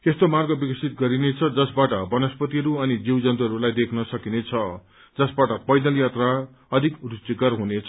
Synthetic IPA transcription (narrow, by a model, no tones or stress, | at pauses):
est̪omarɡʌbikʌsʰit̪̚ɡʌɾinet͡sʰʌd͡zʌsbaʈʌbʌnʌspʌt̪iɦʌɾuʌnid͡ziwd͡zʌnt̪uɦʌɾulajd̪ekʰnʌsʌkinet͡sʰʌ | d͡zʌsbaʈʌpʌjd̪ʌljat̪ra | ʌd̪ʱikrusikʌrɦunet͡sʰʌ